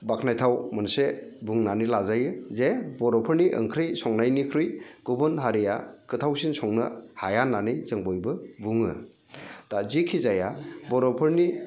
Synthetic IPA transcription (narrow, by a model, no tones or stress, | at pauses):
bakʰnajtʰawmɯnsebuŋnanilazajɯzebɔɾɔpʰɯɾniʔɯ̰ŋkʰɾɯjsɔŋnajnikʰɾɯjɡ̥ubɯnɦaɾija̰kʰɯtʰawsinsɔŋnɯ̰hajanːanijzɯŋbɔjbɯbuŋɯ̰ | tazikʰizajabɔɾɔpʰɯɾni